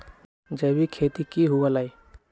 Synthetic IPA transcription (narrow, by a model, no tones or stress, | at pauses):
d͡ʒəbikʰet̪ikiɦuəlai